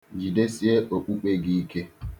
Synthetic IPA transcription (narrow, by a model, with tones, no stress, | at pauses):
d͡ʒi˨de˦si˦e˦ʔo˨ɓu˦k͡pe˦ɡiː˦ke˦